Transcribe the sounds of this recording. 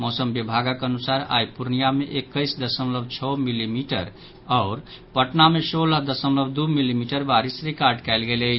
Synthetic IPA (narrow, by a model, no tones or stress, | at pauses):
mɔsəmbibʱaɡakənusaɾa̰jpuɾnijameʔekːəɪsd̪əsəmləbʱt͡ʃʰəmilimiʈə̰ɾ | ɔːɾ | pəʈnamesolad̪əsəmləbd̪umilimiʈəɾbaɾisɾikaɾɖkɛɪlɡelə